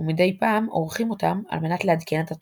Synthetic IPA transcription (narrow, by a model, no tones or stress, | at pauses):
umide̞jpaːmo̞̰ʁχimo̞tama̰lme̞nat̪lehad̪ke̞net̪a